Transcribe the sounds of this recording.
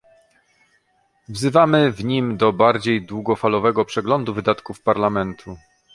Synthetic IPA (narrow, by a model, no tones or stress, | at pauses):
vzɘvamɘvɲimd̪ɔbaɾd͡ʑejd̪wuɡɔfalɔvɛɡɔpʂɛɡlɔnd̪uvɘd̪at̪kufpaɾlamɛnt̪ʰu